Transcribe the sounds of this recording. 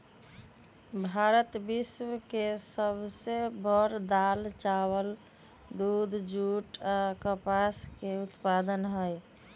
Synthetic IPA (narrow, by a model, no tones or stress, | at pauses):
bʱaɾət̪biswkesəbʱsebəɾd̪alt͡ʃawəl | d̪ud̪ʱd͡ʒuʈakəpaskeut̪pad̪ənɦəj